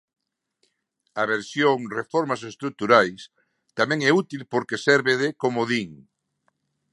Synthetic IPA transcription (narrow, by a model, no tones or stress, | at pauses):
aβeɾsjoŋrefoɾmasest̪ɾuk̚t̪uɾajs | t̪amɛ̃ŋɛut̪ilpoɾkesɛɾβeðekomoðiŋ